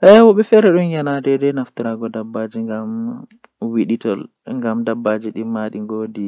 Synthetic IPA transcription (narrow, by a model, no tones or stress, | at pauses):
ʔɛwɔɓɛfɛɾɛɗunjanadɛdɛnaftiɾaɡɔdabːad͡ʒiŋɡam | wiɗitɔ̰l | ŋɡamdabːad͡ʒiɗimaɗiŋɡoːdi